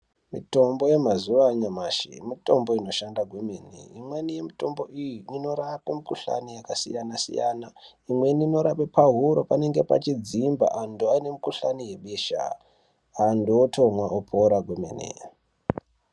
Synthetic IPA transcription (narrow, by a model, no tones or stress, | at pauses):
mito̞mbo̞je̞mazuʋaɲamaʃḭmito̞mbo̞ino̞ʃandaɡʱwemenḛimwenije̞mito̞mbo̞ʔijiino̞ɾakemikuɬa̰nijakasḭjanasḭja̰na | imwe̞nino̞ɾapepaɦuɾopane̞ŋɡe̞pa̰t͡ʃid͡zimba̰ʔanduane̞mikuɬanije̞ɓeʃa̰ | andootʰomwaʔopʰoɾaɡʱwemenḛ